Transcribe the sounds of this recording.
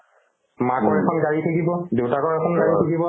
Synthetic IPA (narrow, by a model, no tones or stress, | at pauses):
makɔɹɛkʰɔnɡaɹitʰakibɔdewtakɔɹɛkʰɔnɡaɹitʰakibɔ